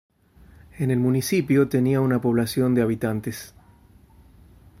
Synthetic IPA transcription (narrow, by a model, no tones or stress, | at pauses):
ene̞lmunisipjo̞t̪e̞niaunapo̞β̞lasjo̞nd̪eaβ̞it̪ant̪es